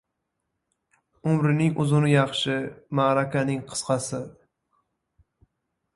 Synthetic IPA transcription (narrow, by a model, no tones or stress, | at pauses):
ʊmɾɪnɪŋʔʊzʊnɪjɑχʃɪmaɾakʲanɪŋqʰɨ̥sqɑsɪ